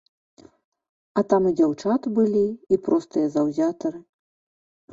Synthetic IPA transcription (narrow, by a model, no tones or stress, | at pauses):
ɐt̪amɨd͡zʲawt͡ʂat̪bɨlʲiːpɾɔst̪ɨjɐzɐwzʲat̪ɐɾɨ